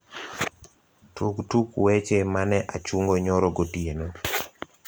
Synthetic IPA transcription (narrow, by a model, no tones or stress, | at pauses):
tuktukwet͡ʃemanɛʔat͡ʃuŋɡoɲɔɾɔɡotieno